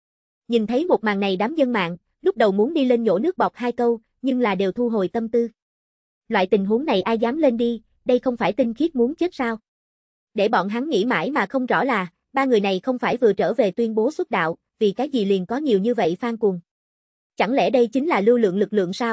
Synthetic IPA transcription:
ɲi˨˩nt̪ʰə˨˦jmo˨˩t̚ma̰ː˨˩ŋna˨˩jɗaː˨˦mzə˧nma̰ː˧˨ŋ | lʊ˦˥k͡p̚ɗə˨˩wmu˨˦nɗi˧le˧nɲo̰˧˥˩nɨ˦˥ək̚ɓɔ˨˩k͡p̚haː˧jkə˧w | ɲɨ˧ŋlaː˨˩ɗe˨˩wt̪ʰu˧ɦo˨jt̪ə˧mt̪ɨ˧ | lwa̰ː˧˨jt̪ï˨˩ŋ̟ɦu˨˦ŋna˨˩jʔaː˧jzaː˨˦mle˧nɗi˧ | ɗə˧jxə˧wŋ͡mfaː˧˩jt̪ï˧ŋ̟xi˦˥ət̚mu˨˦ənt͡ɕə˦˥k̚saː˧w | ɗe˧˩ɓɔ̰˧˨nɦa˨˦ŋːḭ˧˥ma̰ː˧˩jmaː˨˩xə˧wŋ͡mzɔ̰˧˩laː˨˩ | ɓaː˧ŋɨ˨˩əjna˨˩jxə˧wŋ͡mfaː˧˩jvɨ̰˨ət͡ɕəː˧˩ve˨˩t̪wi˧ənɓo˨˦swə˦˥t̚ɗa̰ː˧˨w | vi˨˩kaː˨˦jzi˨˩li˨˩ənkɔ˨˦ɲi˨˩əwɲɨ˧və̰˧˨jfaː˧ŋkʊ˨˩ən | t͡ɕa˧˩ŋlɛ̰˧˩ɗə˧jt͡ɕï˨˦ŋ̟laː˨˩lɨ˧lɨ̰˧˨əŋlɨ˨˩k̚lɨ̰˧˨əŋsaː˧w

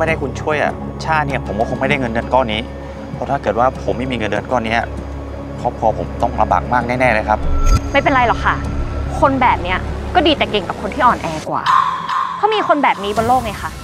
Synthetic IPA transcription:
ma˥˩jda˥˩jkʰu˧nt͡ɕʰu˥˩əjʔa̰˨˩ | t͡ɕʰaː˥˩ni˥˩ɐ˨pʰo˩˦mkɔ˥˩o˧nma˥˩jda˥˩jŋɤ˧nːɤ˧nkɔː˥˩niː˦˥ | pʰɔ˦˥t̪ʰaː˥˩kɤː˨˩t̪̚waː˥˩pʰo˩˦mːa˥˩jmiː˧ŋɤ˧nːɤ˧nkɔː˥˩ni˦˥a˨˩ | pʰɔ˦˥pʰɔː˧pʰo˩˦mt̪ɔ˥˩ŋla˧mba̰ː˨˩k̚maː˥˩k̚nɛː˥˩nɛː˥˩la˧˦˩jkʰa˦˥p̚ma˥˩jp̬e˧nɾa˧jlɔ˨˩kʰa˥˩kʰo˧nbɛː˨˩p̚ni˦˥ɐkɔː˥˩diː˧t̪ɛː˨˩ke˨˧˩ŋka˨˩p̚kʰo˧nt̪ʰiː˥˩ʔɔː˨˩nʔɛː˧kwa̰ː˨˩p̪ʰɔː˦˥miː˧xʰo˧nbɛː˨˩p̚niː˦˥bɔː˧nloː˥˩k̚ŋa˧˩xʰa˥˩

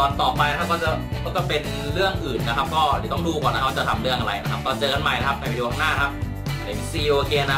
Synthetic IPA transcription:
t̪ɔː˧˩nt̪ɔː˨˩pa˧jna˥kʰa˦˥kɔː˥˩t͡ɕa˨˩kɔː˥˩kɔ˧˩pe˧n | ɾɯ˥˩əŋʔɯː˨˩nːa˦˥kʰa˦˥p̚kɔː˥˩di˨˩t̪ɔ˥˩ŋduː˧kɔː˨˩na˦˥kʰːt͡ɕa˨˩t̪ʰa˧mɾɯ˥˩əŋʔa˧ɾa˧jna˦˥kʰa˦˥p̚t̪ɔː˧nt͡ɕɤː˧ka˧nma˨˩jna˦˥kʰa˦˥p̚na˧jduː˧kʰa˥˩naː˥˩˧kʰa˦˥p̚ | pʰe˨˩˦nsiː˧ʔoː˧keː˧na˦˥

